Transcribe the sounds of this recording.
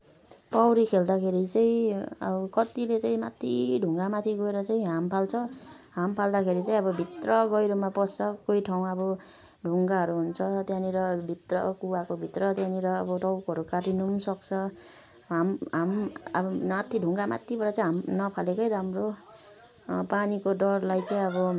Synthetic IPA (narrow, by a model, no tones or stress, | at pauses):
pawɾikʰeld̪akʰeɾit͡sʌĩʌ̰bʌkʌt̪ilet͡sãĩmat̪ʰːiɖʱuŋɡamat̪ʰiɡʌeɾʌt͡saĩɦampʰalt͡sʰʌ | ɦampʰald̪akʰeɾit͡saĩʌbʌbʱit̪rʌɡʌjɾomapʌst͡sʌkojʈʰaw̃ʌbʌ | ɖʱuŋɡaʌɾuɦunt͡sʰʌt̪jãniɾʌbʱit̪rʌkuwakobʱit̪rʌt̪jãniɾʌːbʌʈʌwkɦʌɾukaʈinumsʌk̚t͡sʰʌ | ɦamɦamʌ̰bʌmat̪ʰiɖʱuŋɡama̰t̪ʰːibʌɾat͡saĩɦamnʌpʰalekʌjɾamro | panikoɖʌrlajt͡saĩʌβʌ